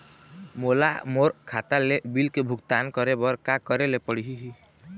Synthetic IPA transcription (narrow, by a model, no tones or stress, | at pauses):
mola̰moɾkʰat̪alebilkebʱuɡt̪ankɔɾebɔɾkakɔɾelepəɽiɦiɦi